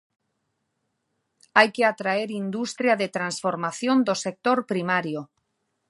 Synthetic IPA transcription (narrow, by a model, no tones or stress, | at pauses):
ajkeat̪ɾaeɾind̪ust̪ɾjaðet̪ɾansfoɾmaθjond̪osek̚t̪oɾpɾimaɾjo